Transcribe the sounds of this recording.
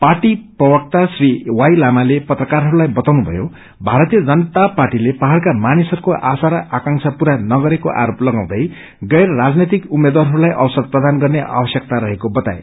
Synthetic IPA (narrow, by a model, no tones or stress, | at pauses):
parʈiprʌbʌk̚t̪asriwajlamalepʌt̪rʌkarɦʌɾulajbʌt̪awnubʱʌ̰jo | bʱaɾʌt̪ijʌd͡zʌnt̪aparʈilepaɦarkamanisʌɾukoʔasaɾʌʔakãŋsʰʌpuɾanʌɡʌɾekoʔa̰ɾoplʌɡãw̃d̪ʌj | ɡʌjɾrad͡znet̪ikumːed̪waɾɦʌɾulajʔʌbʌsʌrprʌd̪anɡʌrneʔa̰bʌsjʌk̚t̪aɾʌɦekobʌt̪a̰ḛ